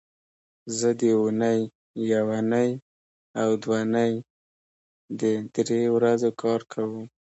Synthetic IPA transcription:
zəd̪əunəjː | awanəj | awd̪wanəj | d̪əd̪ɾewɾazokʰɑɾkʰawəm

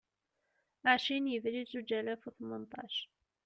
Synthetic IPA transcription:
aʕʃinjəvɾizud͡ʒælæfuθmənt̪ˤɑ̰ʃ

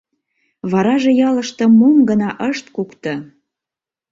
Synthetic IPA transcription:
βɑɾɑʒĕjɑləʃt̪ə̆momɡənɑʔəʃt̪kukt̪ɤ̆

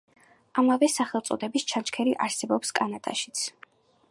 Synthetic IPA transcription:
amavɛsaχɛlˠt̪sʼɔ̰d̪ɛbist͡ʃʰant͡ʃkʰɛɾiʔaɾsɛbɔpskʼanat̪ʼa̰ʃi̥t̪sʰ

